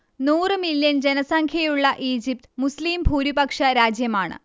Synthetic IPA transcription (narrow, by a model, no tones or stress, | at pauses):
nuːrɨmiljɐnd͡ʑenɐsɐŋkʰjɐjuɭːɐʔiːd͡ʑip̚t̪ɨmusliːmbʱuːɾibɐkʂɐɾaːd͡ʑjɐmaːɳɨ̰